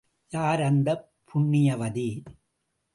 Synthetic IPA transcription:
jaːɾɐnd̪ɐ | pʰːʊɳːɪjɐʋɐði

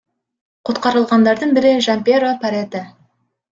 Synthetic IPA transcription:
qʰot̪̚qɑɾəlˠʁɑnd̪ɑɾd̪əɴbɪɾɪʒɑmpʲeɾopɑɾet̪ɪ

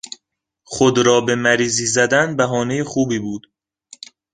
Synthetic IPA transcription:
χod̪ɾɒːbe̞mæɾiːziːzæd̪ænbæɦɒːnejexuːbiːbuːd̪̥

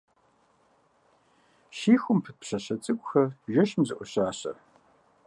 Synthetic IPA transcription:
ʃiːxʷʊmpʰɨt̚pɕɐɕɐt͡sʼɨkʷʼxɐrʒɐʃmzɨʔʷɔɕaːɕɐ̰

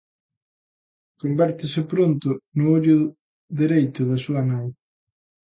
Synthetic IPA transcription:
kombɛɾt̪ɪsɪpɾont̪ʊnʊoʎʊ | ðeɾejt̪ʊðɐsuɐnaj

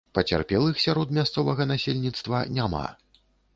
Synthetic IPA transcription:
pɐt͡sʲa̰rpʲɛlˠɨxsʲaɾɔd̪mʲast̪sɔvɐɣɐnasʲelʲnʲit̪st̪vɐnʲama̰

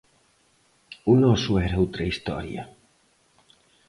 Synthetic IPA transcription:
unosueɾut̪ɾeist̪o̰ɾj̰a̰

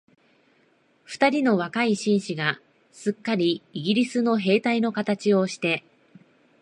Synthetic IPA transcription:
ɸɯ̟̥t̪aɾʲino̞βakaiɕĩɰ̃ɕiɡa | sɨkːaɾʲiːɡʲiɾʲisɨno̞ɦe̞ːt̪aino̞kat̪at͡ɕio̞ɕi̥t̪e̞

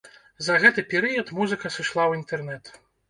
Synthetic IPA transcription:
zɐɣɛt̪ɨpʲɛɾɨjɐt̪muzɨkɐsɨʂlˠawint̪ɛrnɛt̪

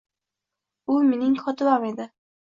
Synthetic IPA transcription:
ʊmenɪŋkʰɒt̪ʰɪbame̞d̪ɪ

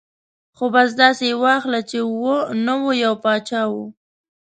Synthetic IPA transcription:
xobɑs̬d̪ɑsewɑxlat͡ʃewonəwojawpɑt͡ʃɑwu

